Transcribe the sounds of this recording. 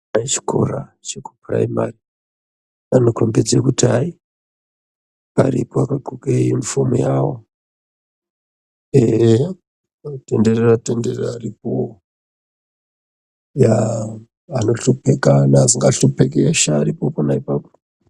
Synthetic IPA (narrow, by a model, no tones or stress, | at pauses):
ait͡ʃi̥ko̞̰rat͡ʃeku̥pra̰ima̰ri | anokrombed͡zekutai | a̰rḭpoakaǃukeinfomujawo̰ | eɦe | te̞ndereratenderrarip̚o | ja | ano̞ɬupekanaziŋɡaɬupekeʃaːɾipoponaipapo̥